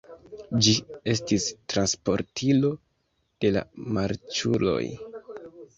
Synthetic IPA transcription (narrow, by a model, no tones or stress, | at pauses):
d͡ʒie̞s̬tistɾanspo̞ɾtʰilo̞ | d̥e̞la̰maɾt͡ʃulo̞̰j